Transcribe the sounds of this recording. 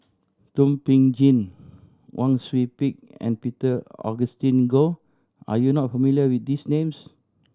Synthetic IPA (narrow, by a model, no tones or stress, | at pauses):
tũmpĩŋd͡ʒĩn | wʔãŋswit̚pik̚ɛ̰̃npitəɔ̰ɡəstĩnɡo | a̰junɔt̚fəmiliəwit̚disnẽms